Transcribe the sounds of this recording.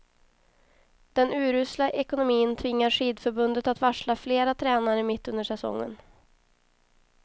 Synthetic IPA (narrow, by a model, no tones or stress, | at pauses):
d̪̥ɛnʉ̟ːɾʉ̟ːslaʔɛkʊnʊmiːənt̪ʰvɪŋːaɾʂiːd̪fœɾbɵnd̪ət̪at̪vaʂɭafleːɾat̪ʰɾɛːnaɾəmɪt̪ːɵnd̪əʂɛsɔ̰ŋːə̰n